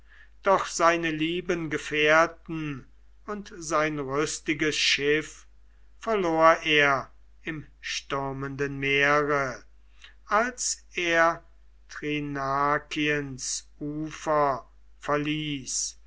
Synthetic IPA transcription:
d̥ɔχz̥aɪnəliːbənɡəfeɐtn̩ | ʊntzaɪnʁʏstɪɡəsʃɪf | fɛɐloːɐʔeːɐ | ɪm | ʃtʏɐməndənmeːʁə | ʔalseːɐ | tʁinakʰiənsʔuːfɐ | fɛɐliːs

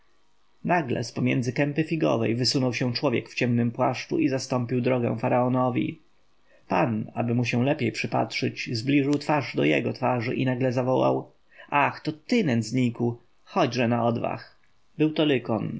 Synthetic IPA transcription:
naɡlɛ̰spɔmʲjɛ̰nd̪zɘkɛmpɘfʲiɡɔ̰vɛ̰jvɘsunɔwɕɛ̃t͡ʂwɔvʲjɛkft͡ɕɛmnɘmpwaʂt͡ʂṵizast̪ɔmpʲiwd̪ɾɔɡɛ̰̃w̃faɾaɔnɔvʲḭ | pana̰bɘmuɕɛ̃lɛpʲjejpʂɘpa̰tʂɘt͡ɕzblʲiʐɘwt̪faʐd̪ɔjɛ̰ɡɔt̪faʐɘʔinaɡlɛzavɔwa̰w | ʔaxt̪ɔt̪ɘnɛnd̪zɲiku | xɔd͡ʑʐɛnaɔd̪va̰x | bɘwt̪ɔlɘkɔn

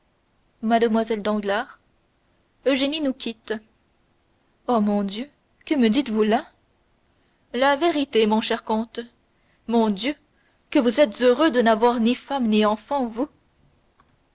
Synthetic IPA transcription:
mad̪əmwazɛld̪ɑ̃ɡlaːʁ | øʒeninukʲʰit̪ | omɔ̃d̪jø | kəməd̪it̪vula | laveʁit̪emɔ̃ʃɛʁkɔ̃t̪ | mɔ̃d̪jø | kəvuzɛt̪z̥øʁød̪ənavwaʁnifamniɑ̃fɑ̃vu

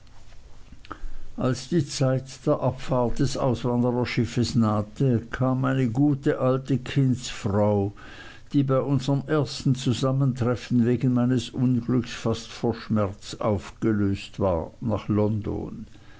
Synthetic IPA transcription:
ʔalsd̥iːt͡saɪtd̥eːɐʔapfaɐt̚d̥ɛsʔa̰ʊsv̥andəʁɐʃɪfəsnaːtʰəkʰaːmaɪnəɡuːtəʔaltəkʰɪnsfʁaʊ | d̥iːbaɪʔʊnzəʁəmʔeːɐstn̩t͡suzaməntʁ̥ɛfn̩veːɡn̩maɪnəsʔʊnɡlʏksfastfoːɐʃmɛɐt͡sʔa̰ʊfɡ̥əløːstv̥a̰ːɐnaːχlɔndo̰n

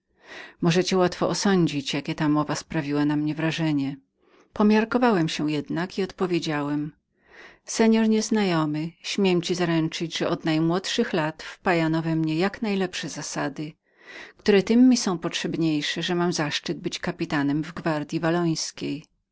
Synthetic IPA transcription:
mɔʐɛt͡ɕɛwat̪fɔʔɔsɔɲd͡ʑit͡ɕjakʲɛt̪amɔvaspɾavʲiwanamɲɛvɾaʐɛɲɛ | pɔmʲjaɾkɔvawɛmɕɛjɛd̪nakiɔt̪pɔvʲjed͡ʑawɛm | sɛɲɔɾɲɛznajɔmɘɕmʲjɛmt͡ɕizaɾɛnt͡ʂɘd͡ʑʐɛʔɔd̪najmwɔt̪ʂɘxlat̪fpajanɔvɛmɲɛjaknajlɛpʂɛzasad̪ɘ | kt̪uɾɛt̪ɘmːisɔ̃w̃pɔtʂɛbɲejʂɛʐɛmamzaʂt͡ʂɘd̪̚bɘt͡ɕkapʲit̪anɛmvɡvaɾd̪ʲjivalɔj̃skʲej

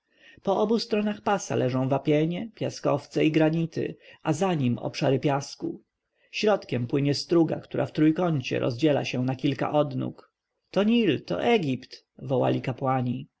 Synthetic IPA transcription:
pɔʔɔbust̪ɾɔnaxpasa̰lʔɛʐɔ̃w̃vapʲjɛɲɛpʲjaskɔft̪sɛiɡɾaɲit̪ɘ̰ʔazaɲimɔ̰pʂaɾɘpʲjasku | ɕɾɔt̪kʲɛmpwɘɲɛst̪ɾuɡa̰kt̪uɾʔa̰ft̪ɾujkɔɲt͡ɕɛ̰ɾɔ̰zd͡ʑɛla̰ɕɛnakʲilka̰ʔɔd̪nṵk | t̪ɔɲilt̪ɔ̰ʔɛɡʲipt̪ | vɔwa̰lʲikapwaɲi

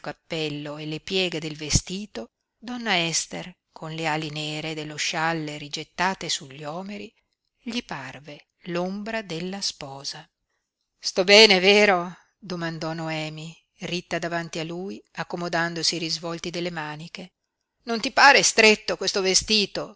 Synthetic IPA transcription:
kapːɛlːoelepjɛːɡed̪elvest̪iːt̪o | d̪ɔnːaɛst̪er | kʰonlealinɛeːɾed̪elːoʃalːeɾid͡ʒet̪ːaːt̪esuʎːɔːmeɾi | ʎiparve | lombɾad̪elːaspɔːza | st̪ɔbɛːneveːɾo | d̪omand̪ɔnoɛːmi | rit̪ːad̪avant̪ialːuːjakːomod̪and̪osiɾizvɔlt̪id̪elːemaːnike | nont̪ipaːɾest̪ɾet̪ːokwest̪ovest̪iːt̪o

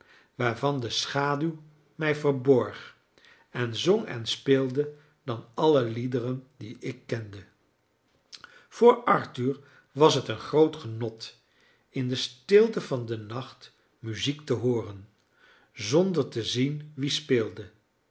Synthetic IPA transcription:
ʋaːɹvɑndəsχaːdyw | mɛjvəɹbɔɹχ | ɛnzoŋɛ̰nspɪːlˠdə | dɑnɑləlidərəndiʔɪkːɛndə | v̥ʊːɹɑɹtyɹ | ʋɑsɦətənχrowtχənɔt | ɪndəstɪlˠtəvɑndənɑχt | myziktəɦoːrən | zɔndəɹtəzinʋispɪːlˠdə

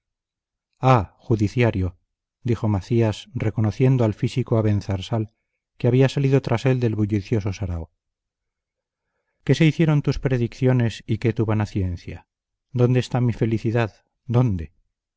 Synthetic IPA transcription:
axuðiθjaɾjo̞ | d̪ixo̞maθiasre̞ko̞no̞θje̞nd̪oalfisikoaβe̞n̟θaɾsal | keaβiasaliðo̞t̪ɾʔase̞ld̪e̞lβuʎiθjo̞so̞saɾa̰o | ke̞se̞iθje̞ɾo̞nt̪uspɾe̞ðikθjo̞ne̞sike̞t̪uβanaθje̞nθja̰ | d̪o̞nd̪est̪amife̞liθiðað | d̪o̞nd̪e̞

